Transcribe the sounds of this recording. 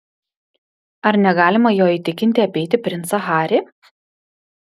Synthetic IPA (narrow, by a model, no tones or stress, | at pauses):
ɐɾnʲɛɡɑːlʲɪmɐjoːiːˑt̪ʲɪkʲɪnʲt̪ʲɪɐpʲɛɪt̪ʲɪpʲɾʲɪnt̪sɐxɑːɾʲeː